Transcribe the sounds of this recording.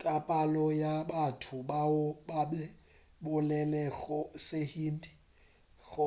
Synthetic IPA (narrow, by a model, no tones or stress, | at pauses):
kʼapʼalɔjabatʰʊbabaɓɛ | bʊlɛlɛɣɔsehiːndʼi | ɣɔ